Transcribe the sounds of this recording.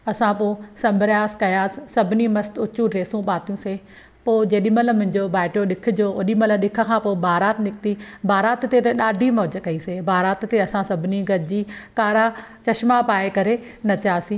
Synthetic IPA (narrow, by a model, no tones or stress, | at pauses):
ɐsãpoːsɐ̃mbɾjaːskɐjaːssɐbʱɪnimɐst̪ʊt͡ʃũɾeːsũɓaːt̪ijũseː | poːd͡ʑeːɗimɐləmʊ̃ɦɪ̃ɲd͡ʑobaːɪʈijoɗɪkʰɪ̆d͡ʑoːoɗimɐləɗɪkʰə̆kʰãːpoːbʱaːɾaːt̪nɪkt̪ibʱaːɾaːt̪t̪et̪ɐɗaːɖʱimɔːd͡ʑkɐiseːbʱaːɾaːt̪t̪eɐsãsɐbʱɪniɡɐd͡ʑiːkaːɾa | t͡ɕɐʃmapaːekɐɾe | nɐt͡ɕaːsĩː